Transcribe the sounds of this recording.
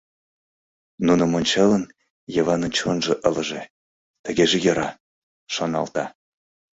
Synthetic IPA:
nunə̆monʲt͡ɕɑlən | jɤvɑnənt͡ɕonʒeʔələ̆ʒe | t̪əɣeʒejɤ̆ɾɑ | ʃonɑ̰lt̪ɑ

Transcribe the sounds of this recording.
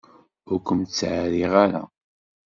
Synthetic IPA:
ʊɾkʷəmt̪t͡sːʕaɾiʁaɾa̰

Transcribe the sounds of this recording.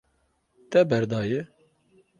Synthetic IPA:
t̪ɛbɛɾd̪ɑːjɪ

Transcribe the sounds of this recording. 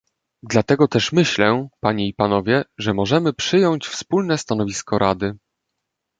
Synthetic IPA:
d̪lat̪ɛɡɔt̪ɛʂmɘɕlɛpaɲeipanɔvʲjɛʐɛmɔʐɛmɘpʂɘjɔɲt͡ɕfspulnɛst̪anɔvʲiskɔɾʔad̪ɘ

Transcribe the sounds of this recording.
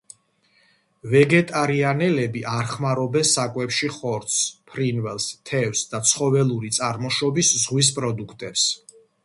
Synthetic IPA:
vɛɡɛt̪ʼaɾianɛlɛbiʔaɾχmaɾɔbɛnsakʼwɛpʃiχɔɾt̪spʰɾinvɛlˠst̪ʰɛfsd̪at̪sʰχɔvɛlˠuɾit̪sʼaɾmɔʃɔbiszʁwis̬pʼɾɔd̪ukʰt̪ʼɛps

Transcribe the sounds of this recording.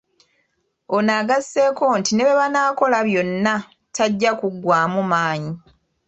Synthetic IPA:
o̞naɡasːe̞ːko̞ntine̞βe̞βanaːko̞laβjo̞nːa | tʰaɟːakuɡwaːmumaːɲi

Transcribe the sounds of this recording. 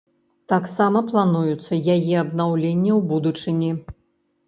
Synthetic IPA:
t̪aksamɐplˠanujut̪sːɐjajɛɐb̪nawlʲenʲːɐwbud̪ut͡ʂɨnʲi

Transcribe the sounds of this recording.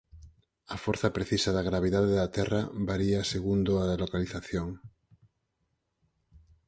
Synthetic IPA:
ɐfoɾθapɾeθisaðaɣ̞ɾaβ̞iðaðeðat̪ɛrabaɾiaseɣund̪oalokaliθaθjoŋ

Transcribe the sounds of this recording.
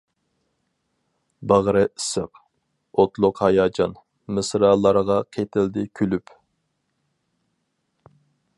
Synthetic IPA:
bɑʁɾɨisəq | ot̪lˠʊqhɑjɑːd͡ʒɑn | mɨsɾɑlˠɑɾʁɑqʰet̪ʰɪld̪ɪkʲʰylyp

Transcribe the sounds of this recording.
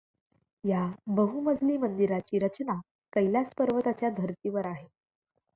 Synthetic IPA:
jabəɦuməd͡zʱliːmənd̪iɾat͡ɕiːɾət͡ɕna | kəjljaspəɾʋət̪at͡ɕjad̪ʱəɾt̪iːʋəɾaɦe

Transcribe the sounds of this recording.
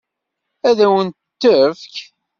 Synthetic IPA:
æðæwənt̪t̪ːəfk

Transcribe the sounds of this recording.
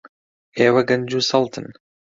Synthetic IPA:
eːwɐɡɐnd͡ʒusɐlˠt̪ʰə̰n

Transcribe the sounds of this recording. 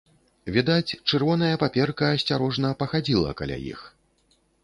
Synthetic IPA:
vʲid̪at͡sʲt͡ʂɨrvɔnɐjɐpapʲɛrkɐsʲt͡sʲaɾɔʐnɐpɐxad͡zʲilˠɐ̰ka̰lʲa̰jḭx

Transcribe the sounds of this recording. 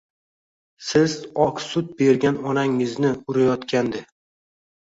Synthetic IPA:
sɪzɒksʊt̪̚be̞ɾɡʲanɒnaŋɪznɪʊɾajɒt̪kʲand̪ɪ

